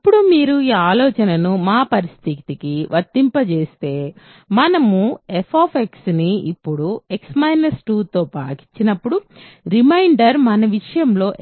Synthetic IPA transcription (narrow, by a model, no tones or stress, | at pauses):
ɐpːuɽumiːɾuiːaːlɔːt͡ʃɐnɐnumaːpɐɾist̪ʰit̪ikiʋʔɐɾt̪ːimpɐt͡ʃe̞ːst̪e̞ː | mɐnɐmuepʰaːpʰeksniḭpːuɽueksmɐjnɐsʈuːt̪o̞ːpaːki̥ɲt͡ʃːinɐpːuɽuɾimɐjɳɖɐɾmɐnɐʋiʂɐjɐmlo̞ː